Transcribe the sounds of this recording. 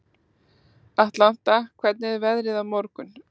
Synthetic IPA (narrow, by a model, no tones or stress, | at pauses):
aht̪lan̥t̪akʰvɛt̪nɪɛɾvɛðɾɪðamɔɾkʏn